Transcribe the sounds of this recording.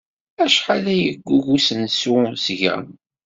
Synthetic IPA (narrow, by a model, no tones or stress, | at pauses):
æʃħalæjəɡʷːuʝusənsusʝə̰n